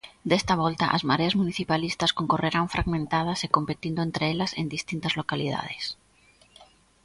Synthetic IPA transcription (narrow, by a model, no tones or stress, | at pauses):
d̪est̪aβ̞ɔlt̪ɐʔa̰zmaɾeazmuniθipalist̪ɐskoŋkoreɾaŋfɾaɣmẽnt̪að̞ɐsekompet̪ind̪ʊent̪ɾeelɐsend̪ist̪int̪ɐzlokaliða̰ðes